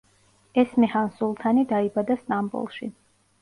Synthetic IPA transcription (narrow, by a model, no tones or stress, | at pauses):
ɛsmɛhansulˠt̪ʰanid̪aibad̪ast̪ʼambṵlˠʃḭ